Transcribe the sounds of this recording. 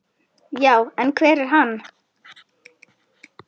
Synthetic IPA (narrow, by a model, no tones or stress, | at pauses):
jaːwɛnkʰvɛːɾɛɾ̥ɦanː